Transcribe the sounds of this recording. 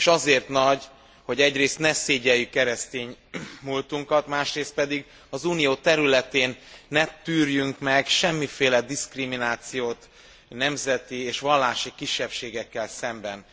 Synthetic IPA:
eʃɒzeːrt̪nɒɟ | ho̞ɟɛɟreːst̪nɛseːɟɛjykːɛɾɛst̪eːɲmult̪uŋkɒt̪maːʃreːst̪̚pɛd̪iɡ | ɒzuːnijoːt̪ɛɾylɛt̪eːnːɛt̪yːrjyŋkmɛɡʃɛmːifeːlɛd̪iskriminaːt̪sijoːt̪ | nɛmzɛt̪ieːʃʋɒlːaːʃikiʃːɛpʃeːɡɛkːɛlsɛmbɛn

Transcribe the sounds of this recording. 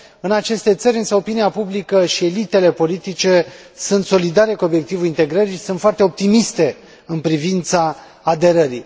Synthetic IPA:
ɨnat͡ʃe̞st̪e̞t̪səɾʲɨnsəo̞piniapublikəʃie̞lit̪e̞le̞po̞lit̪it͡ʃe̞ | sunt̪so̞lid̪aɾe̞kuo̞bje̞k̚t̪ivuint̪e̞ɡɾəɾisunt̪foart̪e̞o̞p̚t̪imist̪e̞ | ɨnpɾivint̪saː | d̪e̞ɾəɾi

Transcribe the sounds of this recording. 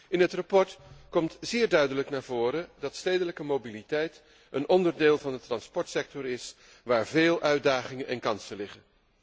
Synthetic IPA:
ʔɪnɦətrɑpɔɹtkɔmtz̥ɪːɹdœɥdələknaːɹvʊːɾədɑtstejdələkəmobilitɛjt | ənʔɔndəɹdeːlˠvɑndətrɑnspɔɹtsɛk̚tɔɹɪs | ʋaːɹveːlˠʔœɥdaːχɪŋənʔɛ̰nkɑnsəlɪχən

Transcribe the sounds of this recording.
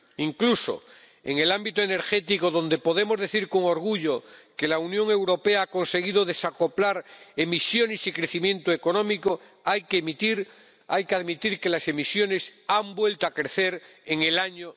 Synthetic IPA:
iŋkluso̰ | e̞ŋe̞lambit̪oene̞ɾxe̞t̪ikoðo̞nd̪epo̞ð̞e̞mo̞zðe̞θiɾko̞ŋoɾɣ̞uʎoke̞launjõ̞ŋe̞wɾo̞peaako̞nse̞ɣ̞iðoðe̞sako̞plaɾe̞misjo̞nesikɾeθimjẽ̞nt̪oeko̞nõmiko | ajkemit̪iɾ | ajkeaðmit̪iɾke̞lase̞misjo̞ne̞sambwe̞lt̪oakɾe̞θe̞ɾ | eŋe̞laɲo

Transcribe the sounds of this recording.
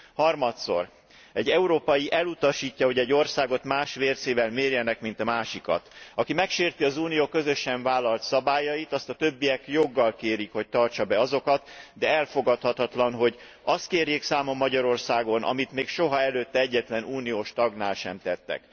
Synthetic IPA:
hɒrmɒt̪so̞̰r | ɛɟːɛuɾoːpɒjiʔɛlut̪ɒʃiːcːɒɦo̞ɟɛɟːo̞rsaːɡo̞t̪maːʃʋeːrseːvɛlmeːrjɛnɛkmint̪ɒmaːʃikɒ̰t̪ɒkimɛkʃeːrt̪iɒzuːnijoːkøzø̞ʃːɛɱvaːlːɒlt̪sɒbaːjɒjit̪ɒst̪ɒt̪øbːijɛkjo̞ɡːɒlkeːɾikho̞c̚t̪ɒrt͡ʃɒbɛɒzo̞kɒt̪d̪ɛɛlfoɡɒt̪hɒt̪ɒt̪lɒnɦo̞ɟ | ɒst̪̚keːrjeːksaːmo̞mːɒɟɒɾo̞rsaːɡo̞nʔɒ̰mit̪meːkʃo̞ɦɒɛløːt̪ːɛɛɟːɛt̪lɛnuːnijoːʃt̪ɒɡnaːlʃɛmt̪ɛt̪ːɛ̰k

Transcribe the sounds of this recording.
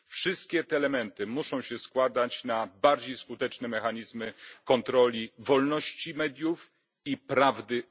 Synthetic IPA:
fʂɘst̪̚kʲɛt̪ɛːlɛmɛnt̪ɘmuʂɔ̃w̃ɕɛskwad̪at͡ɕnabaɾd͡ʑejskut̪ɛt͡ʂnɛmɛxaɲizmɘkɔnt̪ɾɔlʲivɔlnɔɕt͡ɕimɛd̪ʲjuf | ipɾavd̪ɘ

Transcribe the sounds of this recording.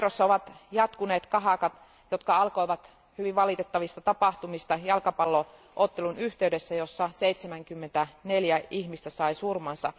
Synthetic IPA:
rosːɑoʋɑt̪jɑt̪kuneːt̪kɑɦɑkɑt̪ | jot̪kɑɑlkojʋɑt̪ | hyʋiʋʋɑlit̪et̪ːɑʋist̪ɑt̪ɑpɑht̪umist̪ɑjɑlkɑpɑlːo | ʔot̪ːelunyht̪eydesːæjosːɑseit̪semæŋkymːent̪æneljæihmist̪æsɑisurmɑnsɑ̰

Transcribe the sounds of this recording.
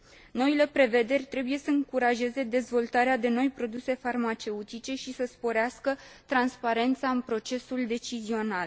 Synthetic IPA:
no̞ile̞pɾe̞ve̞d̪e̞rʲt̪ɾe̞buje̞səɨŋkuɾaʒe̞ze̞d̪e̞zvo̞lt̪aɾead̪e̞no̞jpɾo̞d̪use̞farmat͡ʃe̞ut̪it͡ʃe̞ʃisəspo̞ɾeaskət̪ɾanspaɾe̞nt̪saɨnpɾo̞t͡ʃe̞suld̪e̞t͡ʃizio̞nal

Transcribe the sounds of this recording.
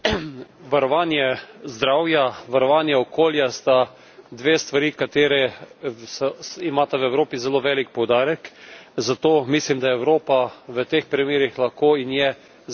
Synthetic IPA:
ʋaɾɔʋaːnjɛzd̪ɾawjaʋaɾɔʋaːnjɛɔkoːljast̪a | d̪ʋeːst̪ʋaɾiːkat̪eːɾɛsɔimaːt̪awɛwɾoːpizɛloːʋɛːlik̚pɔwd̪aːɾɛkzat̪oːmislimd̪ajɛɛwɾoːpaʋət̪eːxpɾimeːɾixlaxkoːinjɛ

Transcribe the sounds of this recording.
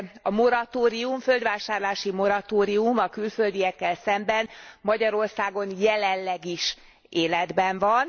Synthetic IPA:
ɒmoɾɒt̪oːɾiuɱfø̞ld̪ʋaːʃaːrlaːʃimo̞ɾɒt̪oːɾiumɒkylføld̪ijɛkːɛlsɛmbɛnmɒɟɒɾo̞rsaːɡo̞njɛlɛnːɛɡiʃ | eːlɛd̪bɛɱvɒn

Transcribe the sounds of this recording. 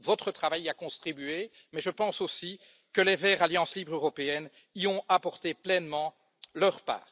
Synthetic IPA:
vɔt̪χət̪χavajakɔ̃st̪χibye | mɛʒəpɑ̃sosi | kəlevɛʁaljɑ̃slibʁøʁɔpeɛn | iɔ̃apɔʁt̪eplɛnmɑ̃ | lœʁpa̰ːʁ

